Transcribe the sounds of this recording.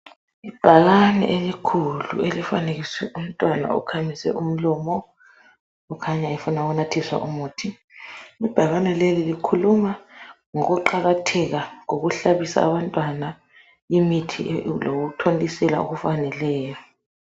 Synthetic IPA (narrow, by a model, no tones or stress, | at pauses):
ib̥ʱaɣanɛ̰ʔelikʰulṵelifaneɣ̬iswɛ̰um̩tʼwana̰ṵkʰamʱisɛ̰ʔum̩lɔmɔː | kʰaɲaifunauɣunatʰiswa̰ʔumuːtʰi | ib̥ʱaɣanɛlelilikʰuluma | ŋɔɣuǃaɣatʰɛɣaŋoɣ̬uɬaβisa̰ːβantʼwana | imitʰilokutʰondʼisɛla̰ṵɣufanɛlɛːjɔ